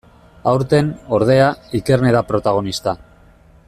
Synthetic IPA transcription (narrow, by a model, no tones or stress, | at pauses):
awɾt̪e̞no̞ɾð̞e̞aike̞ɾne̞ðapɾo̞t̪aɣ̞o̞nist̪a